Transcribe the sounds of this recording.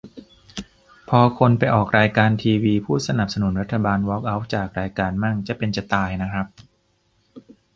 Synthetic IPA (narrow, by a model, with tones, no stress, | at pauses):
pʰɔː˧kʰo˧npa˧jʔɔː˨˩k̚ɾaː˧jkaː˧nt̪ʰiː˧wiː˧pʰuː˥˩sa˧na˨˩p̚sa˧nu˩˦nɾa˦˥t̪ʰːa˧baː˧nwɔ˦˥k̚ʔa˦˥w̚t͡ɕaː˨˩k̚ɾaː˧jkaː˧nma˥˩ŋt͡ɕa˨˩pe˧nt͡ɕa˨˩t̪aː˧jna˦˥kʰɾa˦˥p̚